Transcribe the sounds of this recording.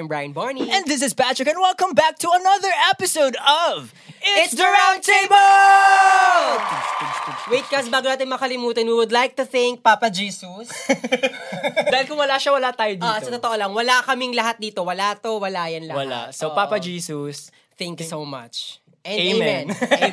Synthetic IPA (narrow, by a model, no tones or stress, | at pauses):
mbɹajɐ̃nbɔɹniɛ̃nmɪs̬ɪspætɹɪkɛ̃nwɛlˠkə̃mbæk̚t̪ʰuɐnɐðə˞ɛpɪsoʊd̪ʌv | ɪɪd̪əɹãʊ̃nt̪ʰeb | wejt̪̚kɐsbaːɡonaːt̪ɪnmɐkɐlɪmuːt̪ɐnwiwʊd̪lajk̚t̪ʊθɪ̃ŋk̚paːpɐd͡ʒiːsus | daːhɪlkʊ̃ŋwɐlaʃawɐlat̪aːjod̪isɐt̪oːt̪oʔolɐŋwɐlakɐmɪŋlɐɦat̪̚d̪iːt̪owɐlat̪owɐlaːjɐnlɐwɐla̰sopaːpɐd͡ʒiːsʊs | θɛ̃ŋkjsomɐ̰t͡ʃ | ʔɛ̃neemɛ̃nn